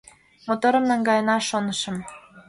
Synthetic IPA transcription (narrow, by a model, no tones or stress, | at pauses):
mot̪oɾə̆mnɑŋɡɑjənɑʃonə̆ʃə̆m